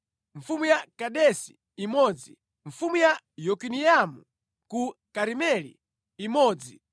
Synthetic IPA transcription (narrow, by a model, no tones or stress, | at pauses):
ɱ̩fumujakaɗɛsi | imɔːd͡zi | ɱ̩fumuja | jɔkinijamu | kukaɾimɛlḭː | mɔːd͡zi